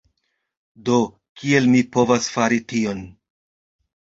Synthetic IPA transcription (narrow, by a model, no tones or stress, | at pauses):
do̞ | kie̞lmipo̞vasfaɾitio̞n